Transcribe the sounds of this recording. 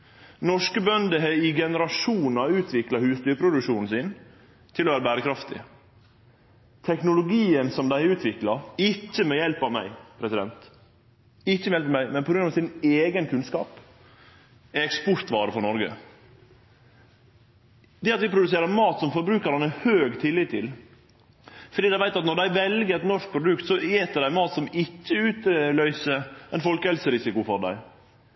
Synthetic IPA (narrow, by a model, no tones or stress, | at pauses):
nɔʂkəbœnd̪əɦɛɪɡɛnəɾɑʃuːn̩ɑʉːt̪ʰʋɪklɑhʉːst̪yːɾpʰɾʊd̪ʉkʃuːnn̩sin | t̪ʰɪloʋæːɾəbæːɾəkʰɾɑft̪ɪ̰ | t̪ʰɛknʊlʊɡiːənsɔmd̪æɪʉːt̪ʰʋɪklɑɪt͡ʃːəmɛːjɛlpɑʋmæɪpʰɾɛsɪd̪ɛnt̪ | ɪcːəmɛjɛlpɑmæɪmɛnpʰɔɡɾʉnɑʋsɪneːɡənkʰʉnskɑ̰ːp | ɛɛkspɔɾt̪ʋɑːɾəfɔɾnɔɾɡə̰ | d̪ɛɑt̪ʋɪpʰɾʊd̪ʉs̬eːɾəɾmɑːt̪sɔmfɔɾbɾʉːkəɾɑnɛhøːɡt̪ʰɪlːɪt̪ʰːɪl | fɔɾɖiːd̪æɪʋæɪt̪ɑt̪nɔɾɖ̪æɪʋɛlɡəɾɛt̪nɔɾʂk̚pʰɾʊd̪ʉkt̪sɔeːt̪d̪ɛd̪æɪmɑːt̪sɔmɪcːəʉːt̪əlœʏsəɛɪnfɔlkəhɛlsəɾɪsɪkʊfɔɾɖ̪æ̰ɪ